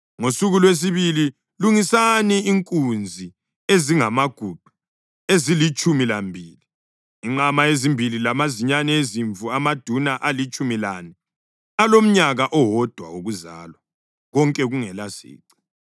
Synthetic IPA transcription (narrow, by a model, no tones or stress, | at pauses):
ŋosuɣulwes̬iβili | luŋisaniiŋkʼund͡zʱi | eziŋamaɡ̥ʱub̥ʱu̥ | ezilit͡ʃʼumilambʱiːli | iŋ͡ǃamaezimbʱililamaziɲanɛeziɱvʱuamad̥ʱunaʔalit͡ʃʼumilani | alom̩ɲaɣaʔɔwɔd̥ʱwa̰oɣuza̰ːlwa | ɣɔŋkʼɛɣuŋɛlasḭːǀi̥